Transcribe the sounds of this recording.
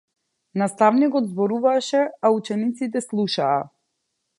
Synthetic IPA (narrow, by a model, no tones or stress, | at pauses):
nast̪avnikɔd̪zbɔɾuvaʃɛaut͡ʃɛnit̪sit̪̬ɛslˠuʃaː